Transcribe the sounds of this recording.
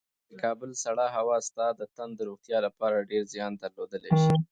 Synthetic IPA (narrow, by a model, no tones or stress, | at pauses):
d̪əkɑbəlsaɽɑɦawɑst̪ɑd̪ət̪and̪əɾoɣt̪jɑlapɑɾaɖeɾzjɑnd̪aɾlod̪əlḛʃi